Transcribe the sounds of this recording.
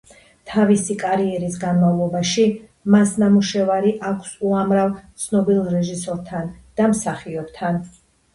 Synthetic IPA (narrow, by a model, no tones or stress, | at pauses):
t̪ʰavisikʼaɾiɛɾisɡanmavlˠɔbaʃi | masnamuʃɛvaɾiʔakʷʰsuamɾavt̪sʰnɔbilˠɾɛʒisɔɾt̪ʰand̪̥amsaχiɔbt̪ʰan